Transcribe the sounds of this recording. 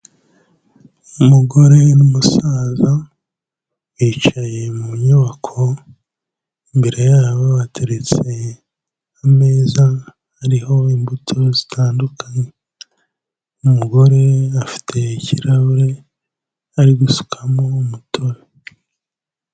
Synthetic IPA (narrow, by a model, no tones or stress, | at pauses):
umuɡo̞ɾe̞numusaːza | wiːt͡ʃaje̞muɲuβakʰo̞ | imbe̞ɾejaːβoβatʰeɾet͡se̞ | ame̞ːza | hːɾiho̞imbutʰozitʰaːndukʰaɲe | umuɡo̞ɾe̞afi̥tʰe̞ciɾaβuɾe̞ | aɾiɡusu̥kʰamo̞mutʰo̞ɾe